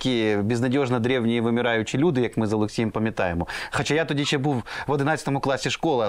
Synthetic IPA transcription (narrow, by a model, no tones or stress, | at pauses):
kʲijebʲɪznɐdʲoʐnɐd̪ɾʲɛwnʲɪjʋɪmʲɪɾajʊt͡ɕɪlʲud̪ɪjɐkmɪzɐlˠʊksʲijɪmpɐmʲɪt̪a̰jɛmɔxɐt͡ɕajat̪ʊdʲit͡ʃʲɛbuwʋɐd̪ɪnat͡sʲsʲə̥t̪ɔmʊklˠasʲːɪʂkɔlˠɐ